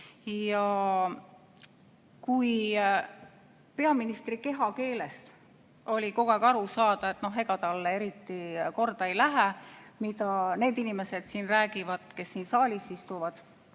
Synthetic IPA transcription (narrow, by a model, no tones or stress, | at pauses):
jɑ | kuj | pe̞ɑminist̪rike̞ɦɑke̞ːle̞st̪ | o̞lʲiko̞ɡ̥ekɑɾusɑːd̪̥ɑe̞t̪ːˑno̞ɦeɡ̥ɑɡ̪ɑlːee̞ɾit̪ːiko̞rd̪̥ɑe̞jlæɦæmid̪ɑne̞ːd̪inime̞se̞d̪̥siːnræːɡivɑd̪̥ke̞sːiːnsɑːlʲisist̪uvɑd̪̥